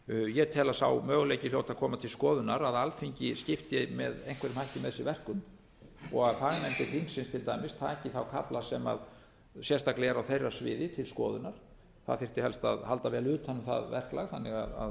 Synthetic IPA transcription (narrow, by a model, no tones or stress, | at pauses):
jɛt̪ʰɛːlasa̰wmœːɣʏlejcɪfljoːwt̪aðkʰɔːmat̪ʰɪlskɔːðʏnaɾaðalfiɲcɪscɪft̪jɛmɛ̰ðejn̥kʰvɛɾɪmhajhcɪmɛðsɪvɛr̥kʏm | ɔɣaðθaðɪmɛnt̪ɪfiŋksɪnst̪ʰɪlt̪ajmɪsθʰaðɛhcɪθawkʰaplasɛma̰ð | sjɛst̪aklɛɛɾawθejrasvɪ̰ːðɪt̪ʰɪlskɔ̰ːðʏnaɾ̥ | θa̰ðθɪ̥t̪ɪhɛlst̪a̰ðhalt̪avɛːlʏːt̪ʰhanːʏmθa̰ðvɛr̥kla̰ɣθanːɪɣa̰ða̰ð